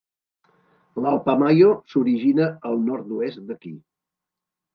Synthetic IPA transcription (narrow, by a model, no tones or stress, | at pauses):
lalˠpamajosuɾiʒinəəlˠnɔɾt̪̚d̪uesd̪əkḭ